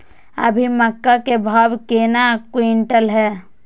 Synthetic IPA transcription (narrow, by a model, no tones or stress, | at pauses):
ə̰bʱiməkːakebʱaːwkeːnakwiɳʈəlɦɛː